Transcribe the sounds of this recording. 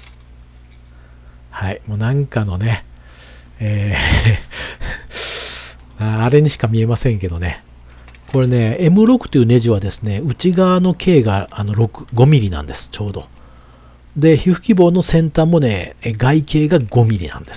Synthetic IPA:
haimo̞ːnãŋkano̞ne̞ | eː | maːɾe̞ɲ̟iɕi̥kamʲie̞masẽ̞ŋke̞d̪o̞ne | ko̞ɾe̞ne̞emɯ̟ɾo̞kɯ̟̥t̪oiɯ̟ne̞ʑiβ̞ad̪e̞sɨ̥ne̞ɯ̟t͡ɕiɡaβano̞kʰe̞ːɡaːno̞ɾo̞kɯ̥ɡo̞mʲiɾʲinã̰nd̪e̞sɨ̥t͡ɕo̞ːd̪o̞̰ | d̪e̞çiɸɯ̟̥kʲibo̞ːno̞sẽ̞nt̪amːo̞ne̞ɡaike̞ːɡaɡo̞mʲiɾʲḭnã̰nd̪e̞sɨ̥

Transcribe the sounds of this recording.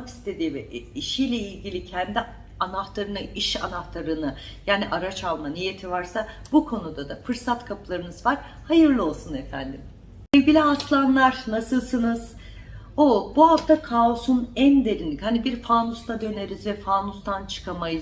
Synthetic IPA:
ki̥st̪ʰe̞d̪iːvɛiʃijlʲɛilʲɟilʲicʰɛnd̪i | anaht̪aɾɯnɯʔiʃa̰naht̪ʰaɾɯnɯjaːniʔaɾat͡ʃalˠmanije̞t̪ʰivaɾsabukʰo̞nud̪ad̪afɯɾsat̪kʰapʰɯlˠaɾɯnɯzvaɾ̥ | hajɯɾlˠɯo̞lˠsunefænd̪im | ilʲɟilʲiaslˠanlˠaɾnasɯlˠsɯnɯz̥ | obuɦaft̪ʰakʰao̞sunænd̪e̞ɾinlːʲichanibiɾfaːnust̪ad̪ø̞ne̞ɾizvɛfaːnust̪ʰant͡ʃʰɯ̥kʰamajɯz

